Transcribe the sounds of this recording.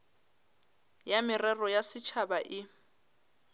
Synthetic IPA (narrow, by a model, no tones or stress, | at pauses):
jamɪrɛrɔjasɪt͡ʃʰabaʔɪ